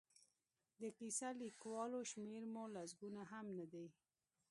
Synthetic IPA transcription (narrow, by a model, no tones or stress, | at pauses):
d̪əkisalikwɑloʃmeɾmolas̬ɡunaɦamnad̪aj